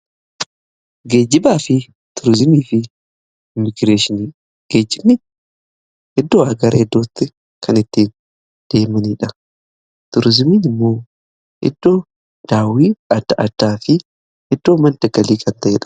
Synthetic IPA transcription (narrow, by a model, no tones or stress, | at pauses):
ɡe̞ːd͡ʒːɪbaːfɪ | t̪ʰʊɾɪzɪmiːfɪ | ɪmɪɡɾeːʃɪniː | ɡ̥eːd͡ʒːɪbnɪ | ɛd̪ːoːɐɡɐɾɐɛd̪ːoːt̪ːɪ | kʰɐnɪt̪ːiːn | d̪̥e̞ːmɐniːᶑɐ | t̪ʊɾɪzɪmiːnɪmːo̞ː | ʔɛ̰d̪ːo̞ː | d̪̥aːwiːɐd̪̥ːɐʔɐd̪̥aːfɪ | ɛd̪ːo̞ːmɐnd̪ɐɡɐliːkʰɐnt̪ɐʔɛ̰ᶑɐ̥